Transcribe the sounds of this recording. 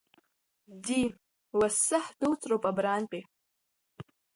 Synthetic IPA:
di | wasɨħduwt͡sʼrowpʼabɾaːnqʲʼi

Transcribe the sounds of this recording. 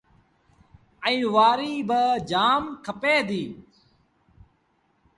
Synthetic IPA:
əĩːʋaːɾiːbəd͡ʒaːmkʰəpeːd̪iː

